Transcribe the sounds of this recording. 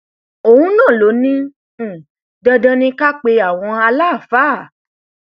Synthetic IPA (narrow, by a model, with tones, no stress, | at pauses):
o˨hũ˦nãː˦˨lo˨˦nĩ˦˨ | dɔ̃˧dɔ̃˧nĩ˧ka˦k͡pe˧a˦˨w̃ɔ̃˧a˧la˦˨fa˨˦˨